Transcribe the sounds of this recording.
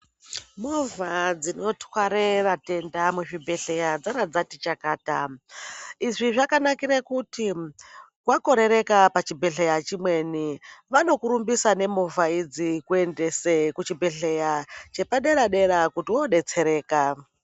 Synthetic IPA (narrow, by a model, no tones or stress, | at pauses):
movad͡zino̞twaɾerate̞ndamuʐibʱe̞ɬe̞jad͡zaɾad͡zatit͡ʃakaːta | iʐiʐakanakiɾekuti | kwako̞ɾe̞ɾe̞kapat͡ʃibʱe̞ɬe̞jat͡ʃimwe̞niʋano̞kuɾumbisane̞movaid͡zikue̞nde̞sekut͡ʃibʱe̞ɬejat͡ʃe̞paɗe̞ɾaɗe̞ɾakutiwoɗe̞t͡se̞ɾe̞ːka